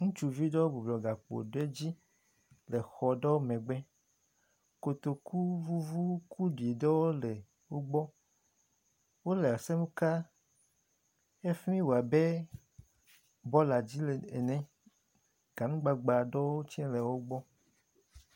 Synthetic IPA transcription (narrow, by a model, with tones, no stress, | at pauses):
ŋũ˦t͡ʃu˨vi˦ɖɔ˦wo˦bu˨blɔ˨ɡa˨k͡po̰˨ɖo˦e˦d͡ʑi˦ | le˨xɔ˨ɖɔ˦wo˦mɛ̃˨ɡ͡bɛ˦ | ko˨t̪o˨ku˦vu˦vu˦kʰu˦ɖi˨e˨ɖɔ˦wo˦lɛ˨ | wo˦ɡ͡bɔ˦ | wo˦le˨a˨sɛ˦mũ˦ka˦ | e˦fi˦mĩ˦wo˨a˨be˦ | bɔ˦la˨d͡ʑi˦lḛ˨nɛ̃˦ | ɡ̥a˨nũ˦ɡ͡ba˨ɡ͡ba˨ɖɔ˦wo˦t͡ɕĩ˦le˨wo˦ɡ͡bɔ˦